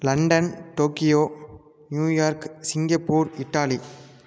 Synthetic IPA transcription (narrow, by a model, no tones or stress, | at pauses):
lɐɳɖɐnʈoːkɪjoː | njuːjaːɾksɪŋɡɐpːuːɾɪʈːaːli